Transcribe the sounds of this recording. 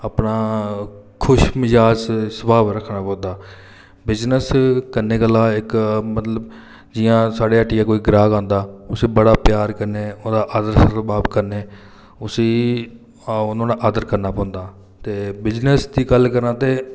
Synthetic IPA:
aːpnaː | kʰʊʃmɪzaːd͡ʒsəbaːʋɾəkʰːnaːpɔ̃ːnd̪aː | bɪd͡ʒnəskənːeːkəlːãːɪkmət̪ləb | d͡ʒɪjãːsaːɖeːəʈːijãːkoːiːɡɾaːɡãːnd̪aːʊsiːbəɽaːpjaːɾkəɾneːoːd̪aːʔaːd̪əɾsəɾbaːbkəɾneː | ʊsiː | ʊnõːnaːʔaːd̪əɾkəɾnaːpɔ̃ːnd̪aː | t̪eːbɪd͡ʒnəsd̪iːɡəlːkəɾnãːt̪eː

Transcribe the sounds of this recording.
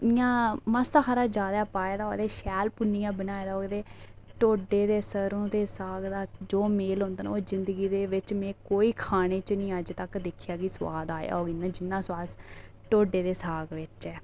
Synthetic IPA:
jãːməsakaːɾaːd͡ʒaːd̪aːpaːeːd̪aːɦoɡd̪eːʃɛːlpʊnːijãːbənaːed̪aːɦoːɡd̪eːʈoːɖeːd̪eːsəɾõːd̪eːsaːɡd̪aːd͡ʒoːmeːlʊ̃nd̪aːn̰ːoːzɪnd̪əɡiːd̪eːʋɪt͡ʃmɛ̃ːkoːiːkʰaːɽ̃eːt͡ʃnĩːəd͡ʒt̪əkd̪ɪkʰɪjaːkisʊʋaːd̪aːja̰ːɦoːɡinãːd͡ʒɪnːãːsʊaːs | ʈoːɖeːd̪eːsaːɡʋɪt͡ʃɛː

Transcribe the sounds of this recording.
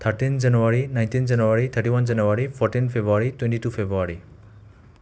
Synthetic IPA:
t̪ʰəɾʈind͡ʒanuaɾinãj̃nt̪ind͡ʒanuwaɾit̪ʰəɾʈiwɔnd͡ʒanuwaɾipʰɔɾʈinpʰebɾuaɾit̪wẽɳʈiʈupʰebɾuaɾi

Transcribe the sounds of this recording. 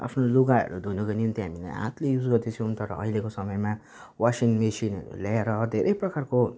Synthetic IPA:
a̰pʰnoluɡaʌ̰ɾud̪ʱujnʌkonimt̪iɦamila̰jã̰t̪lejud͡zɡʌrd̪et͡sʰũnt̪ʌɾʌ̰ʌ̰ɦilekosʌmʌjma | wasiŋmesinʌ̰ɾṵlaeɾʌd̪ʱeɾʔʌjprʌkarko

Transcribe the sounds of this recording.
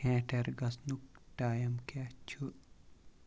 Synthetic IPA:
ẽːʈʰeɾɡɐsnuk̚ʈaːjɐmkat͡ʃʰu

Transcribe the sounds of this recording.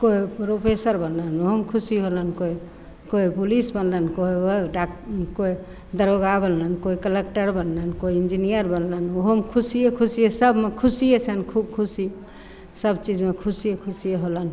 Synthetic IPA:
koipɾopʰesəɾbənlənoɦomkʰusiɦolənkoi | koipulisbənlənkoioɖakoi | d̪əɾoɡabənlənkoikəlekʈəɾbənlənkoiind͡ʒinijəɾbənlənoɦomkʰusijekʰusijesəbmekʰusijet͡ʃʰənkʰubkʰusi | səbt͡ʃid͡ʒmekʰusijekʰusijeɦolən

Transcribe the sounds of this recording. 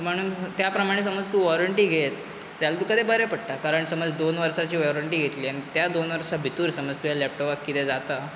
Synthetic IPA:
m̤əɽ̃uːnt̪japɾəmaɽ̃es̬əməd͡zt̪uːʋɔɾəɳʈiːɡʱet̪ | ɾjalt̪ukəd̪ʱebəɾjɛpəɽ̚ʈ̪akaɾəɳsəməd͡zd̪onʋəɾsat͡ɕiːʋɔɾəɳʈiːɡʱet̪liːañit̪jad̪onʋəɾsabʱit̪uːɾsəməd͡zt̪ujalɛp̚ʈɔpakːit̪ed͡zat̪a

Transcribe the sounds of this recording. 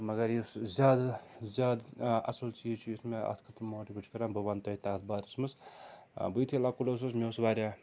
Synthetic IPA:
mɐɡɐɾjiszʲaːd̪zʲaːd̪ɐ̰sɐlt͡ʃiːzt͡ʃʰujismeɐ̰t̪ʰkʰɐt̪ɾmoːʈibɨʈʰkɐɾaːnbɐʋaːnt̪ɐit̪aːt̪̚ʰbaːɾismɨs | bɨjt̪ʰilakulɐs̬ɐsmʲewsʋaːɾʲaː

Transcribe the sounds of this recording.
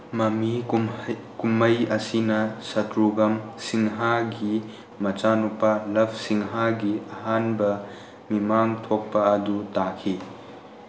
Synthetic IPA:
mɐmi | kumɐjɐsinɐsɐt̪ɾuɡɐmsiŋɦaɡi | mɐt͡ʃanupɐlɐp̚ʰsiŋɦaɡiɐɦanbɐ | mimaŋt̪ʰok̚pɐɐd̪utakʰi

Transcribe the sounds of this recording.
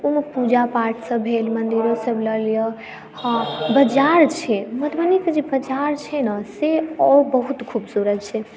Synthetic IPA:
umpud͡ʒapaɾʈʰsəbʱɦelmənd̪iɾosəbləljə | hbəd͡ʒaɾt͡ʃʰɛmət̪bəniked͡ʒebəd͡ʒaɾt͡ʃʰɛnəseɔbəɦut̪kʰubsuɾət̪t͡ʃʰɛ

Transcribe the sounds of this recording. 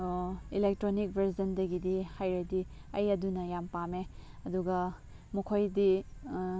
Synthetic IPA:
ilek̚tɾonik̚bʱɐɾzɐndɐɡidihajɾɐdi | ɐjɐdunɐjampameɐduɡɐ | mɐkʰojdi

